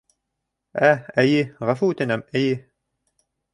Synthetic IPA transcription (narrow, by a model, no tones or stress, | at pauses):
ææjɘʁafuʉt̪ɘ̆næmæjɘ